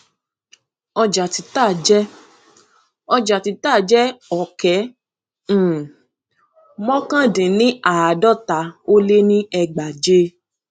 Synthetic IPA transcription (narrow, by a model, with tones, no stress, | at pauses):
ɔ˧d͡ʒa˨ti˨˧taː˦˨d͡ʒɛ˦ | ɔ˧d͡ʒa˨ti˨˧taː˦˨d͡ʒɛ˦ɔ˨kɛ̃˨˦˨ | mɔ̃˦kã˦dĩ˨nĩ˦a˨a˨dɔ˦˨ta˨˦o˦le˦nĩ˦ɛ˧ɡ͡ba˨d͡ʒe˦